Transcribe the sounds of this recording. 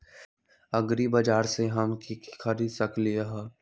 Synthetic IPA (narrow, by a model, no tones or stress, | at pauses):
ɐɡɾibɐd͡ʒaːɾseɦɐmkikkʰɐɾid̪sɐklieɦɛː